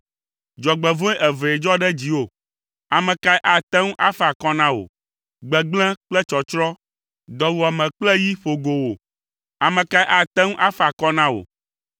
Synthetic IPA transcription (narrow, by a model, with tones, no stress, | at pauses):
d͡ʒɔ˨ɡ͡bɛ˨vɔ̃˦ɛ˦ʔɛ˨ve˨ɛ˨d͡ʒɔ˦ɖɛ˦d͡ʑi˨wo˦˨ | a˨mɛ̃˨ka˦jʔa˨t̪ɛ˦ŋũ˦ʔa˦fa˨kɔ˦nã˦wo̰˨ | ɡ͡bɛ˨ɡ͡blɛ̃˦k͡plɛ˦t͡ʃɔ˨t͡ʃɾɔ˦ | d̪ɔ˨wu˨a˨mɛ̃˨k͡plɛ˦ji˦ɸo˨ɡo˨wo˨ | a˨mɛ̃˨ka˦jʔa˨t̪ɛ˦ŋũ˦ʔa˦fa˨kɔ˦nã˦wo̰˨